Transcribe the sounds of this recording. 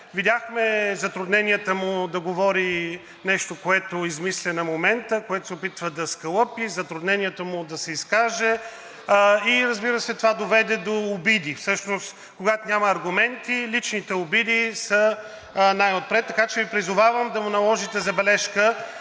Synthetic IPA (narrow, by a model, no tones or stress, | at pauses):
vid̪ʲaxmɛzɐt̪ɾʊd̪nɛnʲiət̪əmʊd̪ɐɡovɔɾi | nɛʃt̪okoɛt̪oizmislʲɛnɐmomɛnt̪əkoɛt̪oʊ̥sɛʊpit̪vəd̪ɐskɐlˠɤpizɐt̪ɾʊd̪nɛnʲijɛt̪əmʊd̪ɐsɛiskaʒɛ | iɾəzbiɾəsɛt̪ovad̪ovɛd̪ɛd̪oːbid̪ifsɤʃnost̪ | koɡat̪onʲamɐːɾɡʊmɛnt̪ilit͡ʃnit̪ɛʊbid̪isə | najot̪̚pɾɛt̪ːɐkat͡ʃɛvipɾizʊvavəmd̪ɐmʊnɐlˠɔʒit̪ɛzɐbɛlɛʃkə